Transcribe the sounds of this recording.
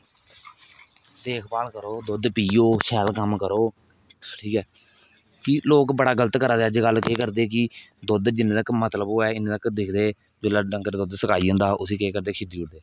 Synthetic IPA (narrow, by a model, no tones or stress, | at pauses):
d̪eːkʰbaːlkəɾoːd̪ʊd̪piːoːʃʰɛːlkəmkəɾoː | ʈʰiːkɛː | kɪloːkbəɽaːɡələt̪kəɾaːd̪eːəd͡ʒɡəlkeːkəɾd̪eːkɪ | d̪ʊd̪d͡ʒɪnẽːt̪əkmət̪ləboːɛːɪnẽːt̪əkd̪ɪkʰd̪eː | d͡ʒelaːɖəŋkəɾd̪ʊd̪səkaːiːə̃ːnd̪aːʔʊs̬iːkeːkəɾd̪eːkʰɪd̪iːʊɽd̪eː